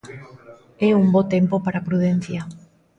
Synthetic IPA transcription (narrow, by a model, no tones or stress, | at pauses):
ɛumbot̪empopaɾapɾuðen̟θja